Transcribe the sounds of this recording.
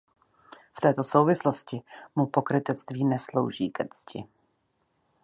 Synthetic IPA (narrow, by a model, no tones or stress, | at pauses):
ft̪ɛːt̪o̞so̞wvɪslo̞scɪmupo̞kɾɪt̪ɛt͡st̪viːnɛslo̞̰wʒḭːkrt͡scʰɪ̰